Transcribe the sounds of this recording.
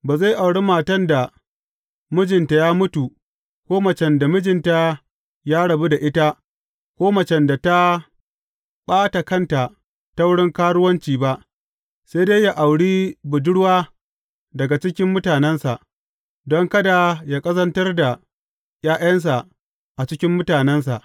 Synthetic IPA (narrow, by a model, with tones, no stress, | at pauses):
baː˨zaː˦˨jʔa˨wɽi˦maː˨tɐ˦˨nda˨ | mʊ˦d͡ʒɪ˨nta˨jaː˦mʊ˦tu˨ | kʷoː˦mɐ˨t͡ʃɛ˨nda˨mʊ˦d͡ʒɪ˨nta˨ | jaː˦ɽɐ˨bu˦da˨ʔɪ˦ta˦ | kʷoː˦mɐ˨t͡ʃɛ˦nda˨ta˦ | ɓaː˦ta˨kɐ˦nta˨ | ta˦wʊ˦ɽɪ˦ŋkaː˦ɽʊ˦wɐ˦nt͡ʃiː˨ba˦ʔ | se˦jdeː˦jja˨ʔa˨wɽiː˦bʊ˨dʊ˦ɽwaː˦ | dɐ˨ɡa˨t͡ʃɪ˦kʲɪ˦mːʊ˦taː˨nɛ˦nsa˨ʔ | dɔ˦ŋkɐ˦da˨jaː˦kʼɐ˦zɐ˦ntɐ˦rda˨ | j̰aː˦ʔjɐ˦ns̬a˨ | ʔa˨t͡ʃɪ˦kʲɪ˦mːʊ˦taː˨nɛ˦ns̬a˨ʔ